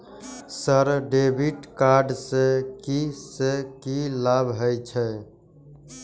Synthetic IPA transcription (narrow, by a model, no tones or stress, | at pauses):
səɾɖebʱiʈkaɾɖsekisekilabɦəjt͡ʃʰɛ